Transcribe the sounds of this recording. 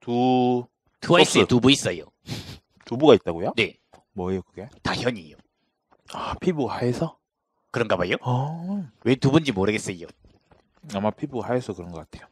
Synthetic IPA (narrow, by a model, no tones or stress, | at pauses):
tu | tɯwaiss͈tubuis͈ʌjo | tubuɡait̚t͈aɡojone̞ | mʌijokɯɡe̞taçjʌɲijo̰ | apʰibuɡahaesʰʌ | kɯɾʌnɡabajo | we̞tubund͡ʑimoɾɯɡes͈ʌjo | amapʰibuɡahaesʰʌkɯɾʌnɡʌk͈atʰe̞jo